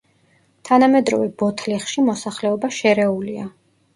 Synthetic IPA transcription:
t̪ʰanamɛd̪ɾɔ̰vɛbɔt̪ʰliχʃimɔsaχlɛɔbaʃɛɾɛulia

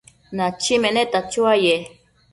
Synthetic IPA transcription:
nat͡ʃimenet̪at͡ʃuaje

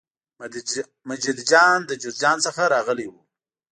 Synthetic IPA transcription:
mad͡ʒid̪d͡ʒɑnd̪əd͡ʒud̪̚d͡ʒɑnsəxaɾɑɣəlewu

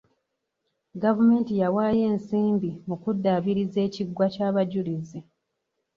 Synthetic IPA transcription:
ɡavume̞ːntijawaːje̞ːnsiːmbimukudːaβiɾize̞ːciɡwacaːβaɟulize

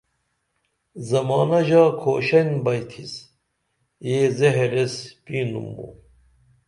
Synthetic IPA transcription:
zɐmɑːnɐʑaːkʰo̰ːɕɐnbɐjt̪ʰis | jeːzeɦɾespiːnṵmbṵ

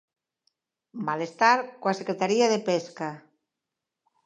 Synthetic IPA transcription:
malest̪aɾkoasekɾet̪aɾiaðepeska

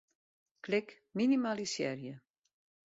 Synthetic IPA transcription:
klɪk | minimalisjɛ̰rjə

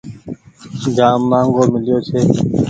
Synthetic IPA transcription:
ɡaːmːãːŋɡoːmɪljoːt͡ʃʰeː

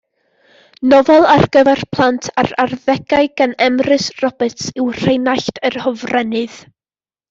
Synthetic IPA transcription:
nɔvɛlˠarɡəvɛrpʰlˠantʰaɾarðɛɡaɨɡ̥anɛmrɨsrɔbɛtsɪwr̥ejnaɬtʰərhɔvrɛnɨð̥

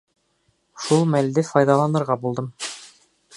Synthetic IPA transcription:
ʃulˠmæld̪ɘfɑjd̪ɑlˠɑnɤ̆ɾʁɑbulˠd̪ɤm

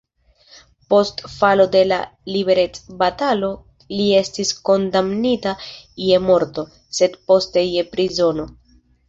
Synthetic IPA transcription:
po̞stfalo̞de̞la̰libe̞ɾe̞t͡sbatalo̞ | lie̞stisko̞ndamnitaje̞mo̞ɾto̞ | se̞dpo̞ste̞je̞pɾizo̞no̞

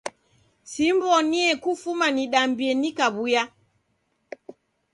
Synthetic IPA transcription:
simbɔniɛkufumaniɗambiɛnikaβuja

